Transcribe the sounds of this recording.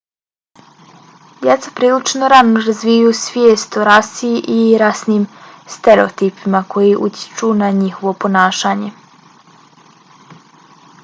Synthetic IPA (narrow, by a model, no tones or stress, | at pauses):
d̪jɛt̪sapɾiːlit͡ʃnoɾanoɾazʋiːjuːsʋjeːst̪oɾasiʔiɾasniːmst̪eɾeot̪iːpimakʰo̞jiʔut̪ʲjɪ̥t͡ʃunaɲixo̞ʋo̞po̞naːʃaːɲe̞